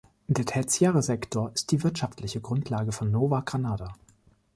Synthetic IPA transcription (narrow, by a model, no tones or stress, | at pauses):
d̥eːɐtʰɛt͡sjɛːʁəzɛktʰoːɐʔɪst̚d̥iːvɪɐtʃaftʰlɪçəɡʁʊntʰlaːɡəfɔnːoːvaɡ̥ʁanaːda